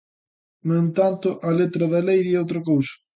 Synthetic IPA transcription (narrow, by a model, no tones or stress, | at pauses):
noẽnt̪ant̪ʊʔɐlet̪ɾɐðɐlejðiowt̪ɾɐkowsɐ̥